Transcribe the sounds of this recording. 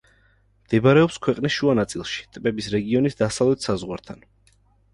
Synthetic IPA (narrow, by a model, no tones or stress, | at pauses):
md̪̥ɛbaɾɛɔpskʰwɛqʼnisʃuanat̪sʼilˠʃi̥t̪ʼbɛbisɾɛɡiɔnisd̪asavlɛt̪ʰsazʁwaɾt̪ʰan